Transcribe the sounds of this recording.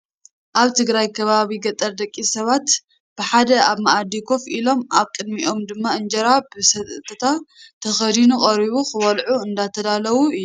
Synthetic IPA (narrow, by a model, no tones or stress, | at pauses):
ʔaβt̪ʰɨɡɾajkʰɐβaβiɡɐt̪ʼːɐɾd̪ɐkʼːisɐβat̪ | b̥ɨħad̪ɐaβmaʔad̪ikʰo̞filo̞mʔaβkʼɨd̪miʔo̞md̪ɨmːaɨnd͡ʒɐɾabɨsɐt̪ʰːɐt̪ʰat̪ʰɐxɐd̪inuχʼɐɾiβuxɨwɐlʕuɨnd̪at̪ʰɐd̪alɐwuɨːu